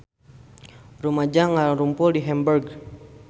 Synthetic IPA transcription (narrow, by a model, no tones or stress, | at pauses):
rumad͡ʒaŋaaŋɾumpʊldiɦɛmbɛrɡ